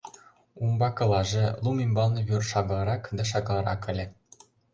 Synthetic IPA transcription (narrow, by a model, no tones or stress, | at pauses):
umbɑkɤ̆lˠɑʐɤ̆lˠumimʲbɑlˠnɤ̆βʲyrʃɑɡ̆lˠɑɾɑkd̪ɑ̆ʂ̬ɑɡlˠɑɾɑ̰kɘ̆lʲɘ̆